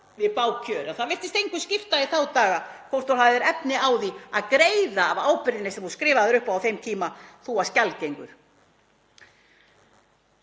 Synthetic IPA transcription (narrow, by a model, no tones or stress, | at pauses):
vɪðpaːwcʰœːɾɛnθaðvɪr̥t̪ɪst̪ejŋkvʏscɪft̪aiθawt̪aːɣakʰowst̪owlhaðɪɾɛpnɪaːwðiaðkɾeːjðaːvaːwpɪɾðɪnɪsɛmhũskɾɪːvaðɪɾʏhpawθejmt̪ʰiːmaθuascalcejŋkʏɾ̥